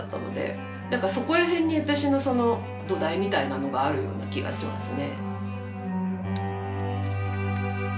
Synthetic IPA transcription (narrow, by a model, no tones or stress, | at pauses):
t̪ːa̰no̞̰d̪e̞̰ | d̪akaso̞ko̞ɾaɦẽ̞ɲ̟ːiβat̪aɕino̞so̞no̞ | d̪o̞d̪aimʲit̪ainano̞ɡaːɾɯ̟jo̞̰ːna̰kʲiɡa̰ɕimã̰sɨne̞̰